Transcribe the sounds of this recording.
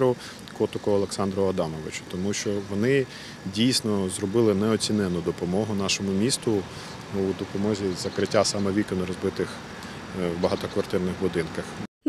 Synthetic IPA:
ɾʊ | kɔt̪ʊkʊɔlˠeksɑnd̪ɾɔɔd̪ɑmɔʋɪt͡ʃʊ̥t̪ɔmuʃt͡ʃɔʋɔnɪ | dʲijsʲnɔzrɔbɪlˠɪnɛɔt͡sʲinɛnʊd̪ɔpɔmɔɦʊnɑʃɔmʊmʲist̪ʊ | ud̪ɔpɔmɔzʲizɐkɾɪtʲːasɑmɛʋʲikɔnɔɾɔzbɪt̪ɪx | wbɐɦɑt̪ɔkʋɐrt̪ɪrnɪxbʊd̪ɪnkɐx

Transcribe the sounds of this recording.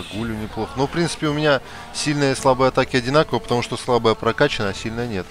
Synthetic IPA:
ɡulʲʊnʲɪplˠoxənofpɾʲint̪sɨ̥pʲɪʊmʲɪnʲa | sʲilʲnəjəslˠabəjɐt̪akʲɪɐdʲɪnakəvəpət̪ɐmuʂt̪oslˠabəjəpɾɐkat͡ɕɪnəjɐsʲilʲnəjənʲe̞t̪

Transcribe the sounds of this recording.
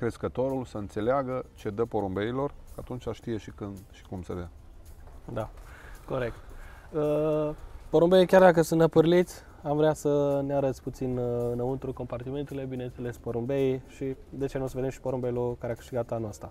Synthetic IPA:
kɾe̞skət̪o̞ɾulsəɨnt̪se̞leaɡət͡ʃe̞d̪əpoɾumbe̞ilo̞rkat̪unt͡ʃʲaʃt̪ije̞ʃikɨnd̪ʃi̥kumsəd̪ea | d̪ako̞ɾe̞k̚t̪ə | poɾumbeikʲard̪ak̬əsunt̪əpɨrlit̪sʲ | amvɾeasəneaɾət̪sʲput̪sinɨnəunt̪ɾuko̞mpart̪ime̞nt̪ele̞bine̞nt̪se̞le̞spoɾumbeiʃid̪e̞t͡ʃenoosəve̞d̪emʃi̥poɾombejlokaɾeakɨ̥ʃt̪iɡat̪anoast̪ɾa

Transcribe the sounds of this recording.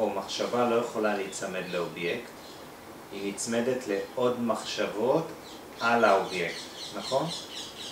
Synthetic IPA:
omaχʃavalo̞jeχo̞laleit͡same̞d̪leo̞bjekt | init͡sme̞detle̞o̞dmaχʃavo̞t | ʔalaobje̞ktnaχo̞n

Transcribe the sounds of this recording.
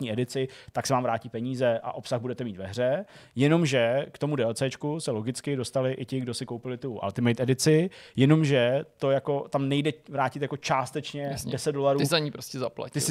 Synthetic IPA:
ɲiːʔɛdɪt͡sɪt̪aksɛvaːmvɾaːciːpɛɲiːzɛʔa̰ʔo̞psaɣbudɛt̪ɛmiːt̪vɛ̰ɦr̝ɛ | jɛno̞mʒɛkt̪o̞mudɛot͡sɛːt͡ʃkusɛlo̞ɡɪt͡skɪdo̞st̪alɪʔɪcɪɡdo̞sɪkowpɪlɪt̪uʔa̰lt̪ɪmɛjt̪ɛdɪt͡sɪjɛno̞mʒɛt̪ojako̞t̪amnɛjdɛvɾaːcɪt̪jako̞t͡ʃaːst̪ɛt͡ʃɲɛdɛsɛt̪̚do̞laɾuzaɲiːpɾoscɛzapla̰ct̪ɪsɪ

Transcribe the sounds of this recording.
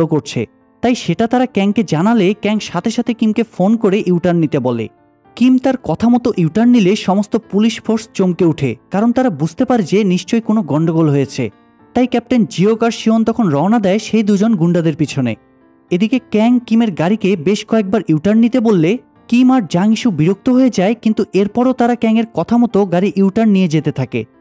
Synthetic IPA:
okoɾt͡ɕʰḛ | t̪ajʃeʈat̪aɾakɛŋked͡ʑanalekɛŋʃat̪ʰeʃat̪ʰekimkefonkoɾeʔiuʈanːit̪ebɔlḛ | kimt̪aɾkɔt̪ʰamɔt̪oʔiuʈanːileʃɔmost̪opuliʃfʰoɾst͡ɕomkeuʈʰḛkaɾont̪aɾabud͡ʑʱt̪epaɾd͡ʑeniʃt͡ɕojkonoɡɔɳɖoɡolɦojet͡ɕʰḛ | t̪ajkɛp̚ʈend͡ʑiokaɾʃiɦont̪ɔkʰonɾɔonad̪ɛeʃejd̪ud͡ʑonɡuɳɖad̪eɾpit͡ɕʰonḛ | ed̪ikekɛŋkimeɾɡaɾikebeʃkɔek̚baɾʔiuʈanːit̪ebolːe | kimaɾd͡ʑaŋiʃubiɾok̚t̪oɦoed͡ʑaekint̪uʔeɾpɔɾot̪aɾakɛŋeɾkɔt̪ʰamɔt̪oɡaɾiʔiwʈaɾnːijed͡ʑet̪et̪ʰakḛ

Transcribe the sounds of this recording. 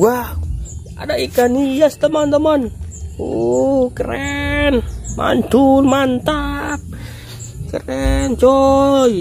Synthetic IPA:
wah | a̰daʔikanijast̪əmɔnt̪əmɔnukəɾɛnma̰nd͡ʒulmant̪ap̚ | kəɾɛnt͡ʃɔj

